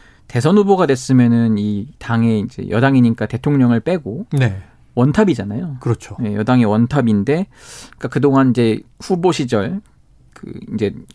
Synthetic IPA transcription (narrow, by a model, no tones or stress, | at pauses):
te̞sʰʌnɸuboɡadwe̞s͈ɯmjʌnɯnitaŋe̞ind͡ʑe̞̰jʌdaŋiɲik͈ate̞tʰoŋɲʌŋɯɭp͈e̞ɡone | wʌntʰabid͡ʑanajokɯɾʌt͡ɕʰoje̞jʌdaŋewʌntʰabinde̞k͈akɯdoŋanid͡ʑe̞ɸuboɕʰid͡ʑʌɭ | kɯ̰ind͡ʑe̞